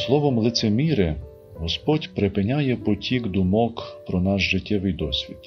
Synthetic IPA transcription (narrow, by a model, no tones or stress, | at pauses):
slˠɔʋɔmlˠɪt̪semʲiɾɪ | ɦɔspɔtʲpɾepɪnʲajɛpɔtʲʰiɡd̪ʊmɔkpɾɔnɑʃʒɪtʲːɛʋɪjd̪ɔsʲʋʲid̪̥